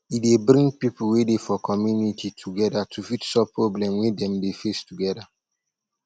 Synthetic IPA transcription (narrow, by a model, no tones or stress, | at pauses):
idebɾĩŋpipul̩wedefɔkʰɔmjunitʰitʰuɡɛdatʰufitsɔpːɹoblɛ̃mwedɛ̃mdefestuɡɛda